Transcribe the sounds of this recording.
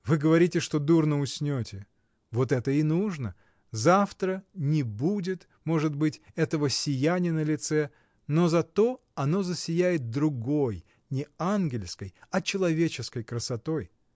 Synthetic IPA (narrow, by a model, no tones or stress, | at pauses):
vɨɡəvɐɾʲitʲɪʂt̪o̞d̪urnəʊsʲnʲotʲɪ | vo̞t̪ɛt̪əɪnuʐnə | zaft̪ɾənʲɪbudʲɪt̪ | mo̞ʐɨt̪bɨtʲɛt̪əvəsʲɪjænʲɪjənəlʲɪt̪sɛ | no̞zɐt̪o̞ | ɐno̞zəsʲɪjæjɪt̪̚d̪ɾʊɡo̞j | nʲɪanɡʲɪlʲskəjɐt͡ɕɪlˠɐvʲet͡ɕɪskəjkɾəsɐt̪o̞j